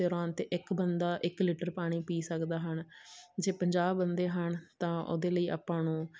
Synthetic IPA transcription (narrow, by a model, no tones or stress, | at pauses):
eːɾaːnt̪eːʔɪkbənd̪aːʔɪklɪʈəɾpaːɽ̃iːpiːsəkd̪aːɦənd͡ʒeːpəɲd͡ʒaːbːənd̪eːɦəɳt̪ãːʔo̰ːd̪eːləiːa̰ːpːãːnũː